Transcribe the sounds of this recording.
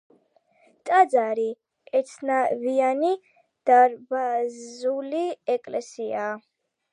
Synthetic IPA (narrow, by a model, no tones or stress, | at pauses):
t̪ʼad̪zaɾi | ɛt̪sʰnaviani | d̪̥aɾbazuliɛkʼlɛsiaː